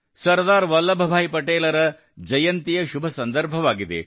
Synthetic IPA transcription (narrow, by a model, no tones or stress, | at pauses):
sɐɾd̪aːɾʋɐlːɐbʱɐbʱaːjipɐʈeːlɐɾɐ | d͡ʒɐjɐnt̪ijɐʃubʱɐsɐnd̪ɐɾbʱɐʋaːɡid̪ḛ